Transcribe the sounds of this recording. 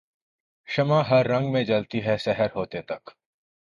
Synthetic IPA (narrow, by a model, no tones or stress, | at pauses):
ʃɐmãɦɐɾːɐ̃ŋɡmẽd͡ʒɐlt̪iɦɛsɛɦəɾɦoːt̪et̪ɐk